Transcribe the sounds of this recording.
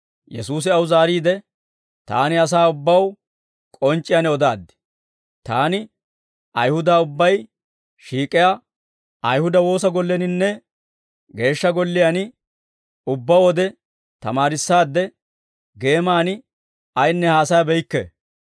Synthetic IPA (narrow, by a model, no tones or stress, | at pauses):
jɛ̰suːs̬ɪɐwzaːɾiːd̪ɛ | t̪a̰ːnɪɐs̬aːʊbːɐw | kʼɔnt͡ʃʼːɪjanɛɔd̪aːd̪ːɪ̥ | t̪aːnɪ | ɐjhʊd̪aːʊbːɐj | ʃiːkʼɪja | ɐjhʊd̪ɐwo̞ːsɐɡɔlːɛnɪnːɛ | ɡe̞ːʃːɐɡɔlːɪjan | ʊbːɐwɔd̪ɛ | t̪ɐmaːɾɪsːaːd̪ːɛ | ɡe̞ːmaːnɪ | ɐjnːɛhaːsɐjbɛjɪkːɛ̰